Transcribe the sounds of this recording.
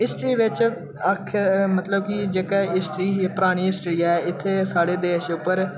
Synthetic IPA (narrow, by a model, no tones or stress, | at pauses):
ɪsʈɾiːʋɪt͡ʃ | əkʰmət̪ləb̚kid͡ʒeːkɛːɪsʈɾiːpəɾaːɽ̃iːɪsʈɾiːaɛɪt̪ʰːeːsaːɽeːd̪eːʃʊpːəɾ